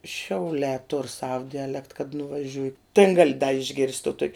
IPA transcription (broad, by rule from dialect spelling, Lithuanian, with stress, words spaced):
ʃʲɛʊˈlʲɛː tʊr sɐw dʲɛˈlʲɛkt kɐt nʊʋɐˈʒʲʊj tʲeːn ˈɡɑːlʲɪ ɪʒʲˈɡʲɪrʲsʲtʲ toː toːkʲ